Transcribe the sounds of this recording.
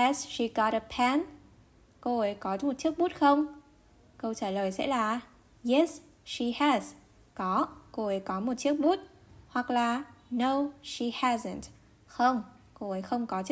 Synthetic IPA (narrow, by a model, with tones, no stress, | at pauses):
ɛ˨sʃi˧ɡɔ˨˦ɾə˨pʰɛ˧n | ko˧ʔə˨˦jkɔ˨˦mo˨˩t̚t͡ɕi˦˥ək̚mu˦˥t̚xə˧wŋ͡m | kə˧wt͡ɕaː˧˩ləː˨˩jsɛ̰˧˥laː˨˩ | jɛ˨˦˥s | ʃi˧hɛ˨˩z̥ | kɔ˨˦ko˧ə˨˦jkɔ˨˦mo˨˩t̚t͡ɕi˦˥ək̚ɓu˦˥t̚ | hwa˨˩k̚laː˨˩no˧wʃi˨˩hɛ˧zə˨nt | xə˧wŋ͡m | ko˧ə˨˦jxə˧wŋ͡mkɔ˨˦t͡ɕ